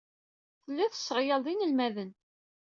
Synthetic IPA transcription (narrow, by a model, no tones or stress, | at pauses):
θəlːæθə̥sːʁjɑlðˤinəlmæðən